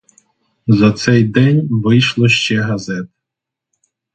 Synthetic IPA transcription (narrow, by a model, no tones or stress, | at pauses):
zɐt̪sɛjd̪ɛnʲʋɪjʃlˠɔʃt͡ʃɛɦɐzɛt̪